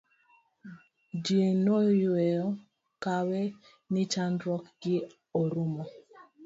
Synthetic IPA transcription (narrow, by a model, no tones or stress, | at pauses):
d͡ʒjenojɛjɔ | kawɛ | nɪt͡ʃandɾɔkɡɪ | oɾʊmɔ